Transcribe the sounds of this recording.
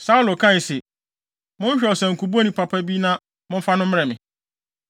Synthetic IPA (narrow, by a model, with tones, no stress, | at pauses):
sa˦u˦lo˨kʰã˦˨sɛ˨ | mʊ̃˦n˦ɕᶣɛ˨ɔ˨sɛ̃˨ŋ̩˨ku˨bu˦nĩ˨pʰa˨pʰa˦bi˦nã˦ | mʊ̃˦m̩˦fa˦nʊ̃˦m̩˦m˦ɾɛ˨mɪ̃˨